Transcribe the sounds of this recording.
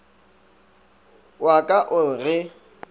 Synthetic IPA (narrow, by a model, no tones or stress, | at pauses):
wakʼaʔʊl̩rɪ